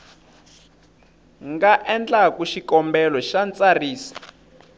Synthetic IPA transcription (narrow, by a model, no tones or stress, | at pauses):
ŋɡaʔɛnd͡ɮakuʃikɔmbɛlɔʃant͡sariːsḁ